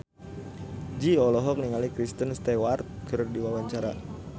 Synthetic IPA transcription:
d͡ʒiɔlɔɦɔk̚niŋalikɾist̪ənst̪ewart̪̚kərdiwawaɲt͡ʃaɾa̰

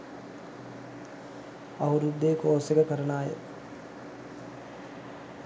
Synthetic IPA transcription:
ɐʋɐɾud̪ːeːkoːsekəkəɾənaːjə̰

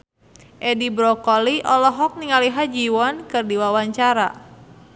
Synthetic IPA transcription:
ʔɛdibɾɔkɔliʔɔlɔɦɔk̚niŋaliɦad͡ʒiwɔnkɨrdiwawaɲt͡ʃaɾa̰

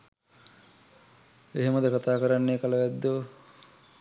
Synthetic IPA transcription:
eɦeməd̪əkat̪aːkəɾanːeːkaləʋæd̪ːo

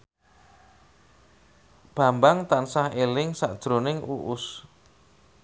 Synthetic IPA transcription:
b̥ä̤mbaŋt̪ansahelɪŋsa̰ʔd̥ʒ̥ɾonɪŋʔṵʔʊs

